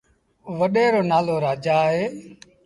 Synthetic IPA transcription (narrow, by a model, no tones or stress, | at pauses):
ʋəɗeːɾoːnaːloːɾaːd͡ʒaːɦeː